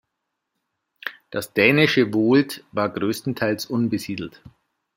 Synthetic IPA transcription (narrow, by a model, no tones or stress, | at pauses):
d̥asd̥ɛːnɪʃəvoːltvaːɐɡʁøːstn̩tʰaɪlsʔʊnbəziːdl̩t